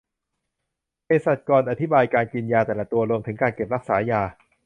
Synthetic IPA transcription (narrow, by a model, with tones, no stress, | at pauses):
pe˧sa˨˩t̪̚kɔː˧nʔa˨t̪ʰi˦˥baː˧jkaː˧nki˧njaː˧t̪ɛː˨˩la˨˩t̪u˧ɐɾu˧əmt̪ʰɯ˩˦ŋkaː˧nke˨˩p̚ɾa˦˥k̚saː˩˦jaː˧